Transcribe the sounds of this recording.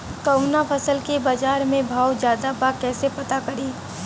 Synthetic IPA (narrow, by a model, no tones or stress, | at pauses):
k̪ɐʊnapʰɐsəlkebaːd͡ʒaːɾmẽbʱaːwd͡ʒjaːd̪abakɛːsepɐt̪akɐɾiː